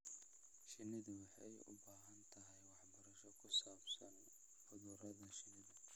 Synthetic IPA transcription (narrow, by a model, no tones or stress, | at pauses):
ʃɪnɪðʊwɑħɑjʊ̰baːɦɐnt̪ʰɐɦɛjwɑħbɐɾɐʃɔkʰʊsaːbsɐn | ħʊðuːɾɐðɐʃɪnɪðɐ